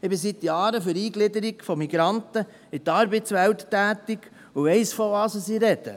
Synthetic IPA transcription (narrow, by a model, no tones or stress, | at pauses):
ɪbɪsit̪jɑːɾəfʏɾiːɡlɪd̪əɾiɡfɔmiɡɾɑnt̪ə | ɪtɑɾbɛtsʋælt̪ːæːt̪iɡ̥ | uɛɪsfɔɑsəsiɾɛd̥ə̰